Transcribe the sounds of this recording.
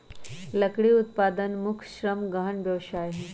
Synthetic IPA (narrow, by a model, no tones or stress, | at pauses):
ləkɽiut̪̚paːd̪ənmʊkʰʃɾəmɡəɦənbjɐʋʃaːjɦɛ̃